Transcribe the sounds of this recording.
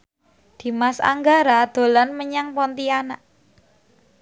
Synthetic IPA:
d̪̥i̤masa̰ŋɡaɾad̪̥o̤lanməɲaŋpɔnt̪ianaʔ

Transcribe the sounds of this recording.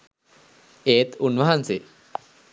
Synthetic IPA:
eːt̪unʋɐɦanse

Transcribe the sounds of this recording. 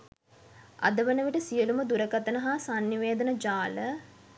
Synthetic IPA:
a̰d̪əʋənəʋiʈəsijəluməd̪uɾəkat̪ənəɦaːsanːiʋeːd̪ənəd͡ʒaːlə

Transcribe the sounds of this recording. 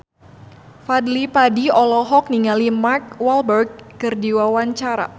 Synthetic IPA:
fadlipadiɔlɔɦɔk̚niŋalimark̚walbərɡ̚ːɨrdiwawaɲt͡ʃaɾa̰

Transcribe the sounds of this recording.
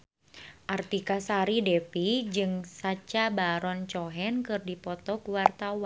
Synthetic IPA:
ʔart̪ikasaɾidɛpid͡ʒɨŋsat͡ʃabaɾɔnt͡ʃɔɦɛnkɨrdipɔt̪ɔkuwart̪awan

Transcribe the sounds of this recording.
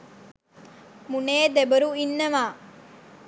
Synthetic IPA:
muneːd̪ebəɾuinːəʋaː

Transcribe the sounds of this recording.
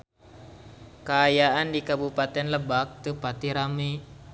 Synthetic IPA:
kaːjaʔandikabupat̪ɛnləbak̚t̪əpat̪iɾami

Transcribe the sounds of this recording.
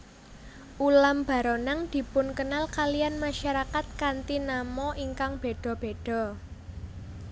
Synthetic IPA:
ʔulamb̥ä̤ɾɔnaŋd̪̥i̤pʊnkənalkalijanmaʃaɾakat̪̚kant̪inamɔʔiŋkaŋb̥e̤ɖ̪̥ɔ̤b̥e̤ɖ̥ɔ̤

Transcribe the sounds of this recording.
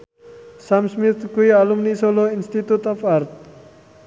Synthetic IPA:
samsmit̪kujalumnisoloinst̪it̪ut̪ɔfaɾt̪̚

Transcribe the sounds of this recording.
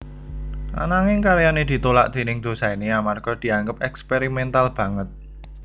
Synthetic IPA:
ʔa̰naŋɪŋkaɾjaned̪̥i̤t̪ola̰ʔd̪̥i̤nɪŋd̪̥o̤saineamarɡ̥ɔ̤d̪̥i̤aŋɡəp̚ɛkspeɾimɛnt̪alb̥ä̤ŋət̪̚

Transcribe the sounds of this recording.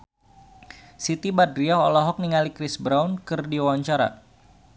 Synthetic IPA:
sit̪ibadɾiaɔlɔɦɔk̚niŋalikɾisbɾawnkɨrdiawaɲt͡ʃaɾa̰

